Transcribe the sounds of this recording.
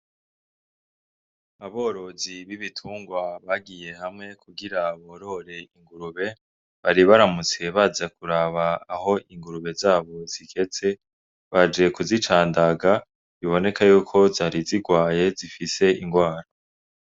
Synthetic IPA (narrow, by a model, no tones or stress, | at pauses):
aβo̞ːɾo̞ziβiβitʰuːŋɡwaβaɡije̞hamŋe̞kʰuɡiɾaβo̞ɾo̞ɾe̞iŋɡuɾuβe̞ | βaɾiβaɾamut͡se̞βazakuɾaβaːho̞iŋɡuɾuβe̞zaːβo̞z̥iɡe̞t͡se̞ | βad͡ʒe̞kuzit͡ʃaːndaɡa | βiβo̞ne̞kʰajuːkʰo̞zaːɾiziɡwaːje̞zifise̞ʔiŋɡwaːɾa